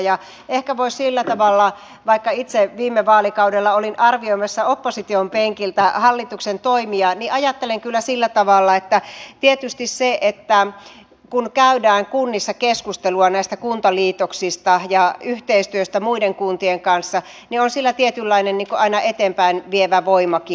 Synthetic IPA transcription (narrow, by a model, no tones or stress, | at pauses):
jɑ | ehkæʋoissilːæt̪ɑʋɑlːɑ | ʋɑikːɑit̪seʋiːmːeʋɑːlikɑudelːɑolinʔɑrʋioimɑsːɑopːosit̪iompeŋkilt̪æhɑlːit̪uksent̪oimiɑniʔɑjɑt̪ːeleŋkylːæsilːæt̪ɑʋɑlːɑet̪ːæt̪iet̪yst̪isseʔet̪ːæ | kunkæydæːŋkunːisːɑkeskust̪eluɑnæist̪ækunt̪ɑliːt̪oksist̪ɑjɑyht̪eist̪yøst̪æmuideŋkunt̪ieŋkɑnsːɑ | nionsilːæt̪iet̪ylːɑinenniːŋkoʔɑinɑʔet̪eːmpæinʋieʋæʋoimɑki